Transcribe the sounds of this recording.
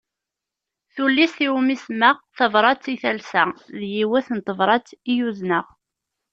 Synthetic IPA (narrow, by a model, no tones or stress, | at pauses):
θulːisθiwmismæʁθɑvɾˤɑt͡sːiθælsæðjiwæθənt̪ˤːəvɾˤɑt͡sːijuznəʁ